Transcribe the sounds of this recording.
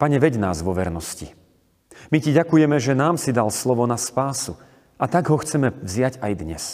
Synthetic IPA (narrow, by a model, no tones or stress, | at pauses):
paɲɛʋɛɟna̰ːzʋɔʋɛɾnɔscḭ | miciɟakujɛmɛʒɛnaːmsid̪alslɔʋɔnaspaːsu | ʔat̪aɡɦɔxt͡sɛmɛvzɪaɟajd̪ɲɛ̰s